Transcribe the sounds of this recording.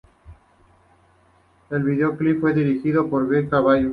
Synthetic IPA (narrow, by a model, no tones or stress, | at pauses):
elβiðeoklipfweðiɾixiðopoɾβeɾkaβaj